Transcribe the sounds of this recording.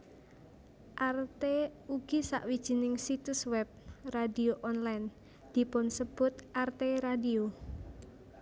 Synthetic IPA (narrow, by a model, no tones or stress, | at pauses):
ʔart̪euɡ̥isa̰ʔwid̥ʒ̥i̤nɪŋsit̪uswɛb̚radioʔɔnlajn | d̪̥i̤pʊnsəb̥ʊt̪̚ʔart̪eɾadio